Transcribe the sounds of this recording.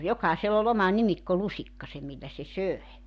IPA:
jokɑˑiselː ol omɑ nimikːolusikːɑse milːæ se søe

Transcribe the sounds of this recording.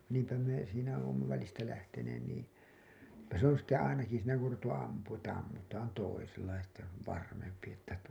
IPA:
niːmpæ me siːnæ oːmːɑ ʋælistæ læhteneːn niː etːæ se on sitːe ɑinɑki siːnæ ku or ruʋetːu ɑmpuːũ etːæ ɑmːutɑːn toiselːɑ jɑ sitːe se oʋ ʋɑrmempi etːæ

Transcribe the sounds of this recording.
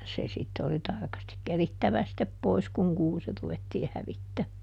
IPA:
se sitːe oli tɑrkɑstik keritːæʋæ sitːep pois kuŋ kuːsi ruʋetːiː hæʋitːæmːæː

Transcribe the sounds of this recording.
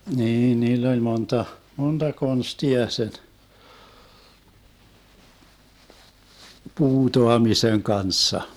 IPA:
niːn niːlː olʲ montɑ montɑ konstiɑ sen puːtoɑmiseŋ kɑnsːɑ

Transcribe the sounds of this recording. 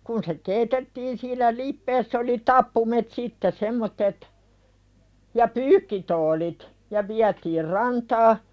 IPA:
kun se keːitetːiːn silːæ lipːeːsː oli tɑpːumet sitːe semːotːet jɑ pyːkːitoːlit jɑ ʋiætiːr rɑntɑː

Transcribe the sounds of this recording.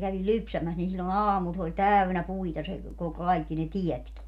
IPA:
kæʋil lypsæmæs nin silːon ɑːmul s olʲ tæynæ puitɑ se ko kɑikːi ne tiɛtki

